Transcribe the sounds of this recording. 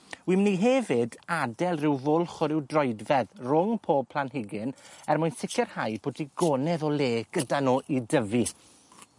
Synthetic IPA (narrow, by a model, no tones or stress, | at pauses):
wimniɦɛvɪdadɛlˠrɪwvʊlˠχɔɾɪwdrɔɨdvɛðrʊŋpʰoːb̚pʰl̥anɦɪɡɪnɛrmʊjnsɪkʰɛrhajbʰodiɡɔnɛðɔleːɡ̥ədanoːʔidəvi